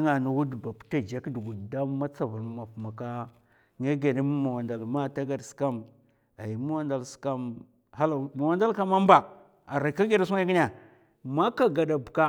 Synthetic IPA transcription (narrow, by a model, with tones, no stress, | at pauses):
ŋa˨nu˨wu˦dba˨pta˦d͡ʒa˦kdu˨ɡu˨da˦ma˦t͡sa˨vu˨ɾm˦ma˨pma˨ka˦ | ŋa˦ɡe˨di˦m˦ma˨wa˨nda˨lma˦ta˦ɡa˨dska˦m | a˨ji˨ma˦wa˦nda˨lska˦m | ha˦la˨ma˨wa˦nda˦lka˦ma˦m˦ba˨ | a˨ɾa˨ka˦ɡe˦ɾa˦su˦ŋ˦a˦ki˦n˦a˨ | ma˦ka˦ɡa˨da˨bka˦